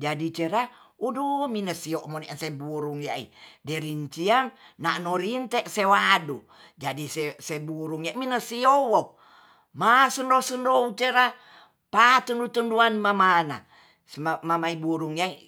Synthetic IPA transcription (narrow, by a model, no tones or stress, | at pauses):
d͡ʒadit͡ʃeɾa | uduminəsioʔmoniʔansebuɾuŋjaʔḭdɛɾiɲt͡ʃiaŋnaʔnoɾint̪ɛʔsewadu | d͡ʒadisesebuɾuŋjaminəsiowo | masəndosəndout͡ʃeɾa | pat̪əndut̪ənduanmamana̰ | amamaibuɾuŋjai